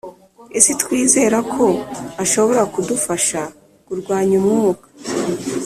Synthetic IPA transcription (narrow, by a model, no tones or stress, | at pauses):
esitkwiːze̞ːɾakʰo̞aʃo̞βo̞ɾakudufaʃa | kuɾɡwaːɲumŋuːkḁ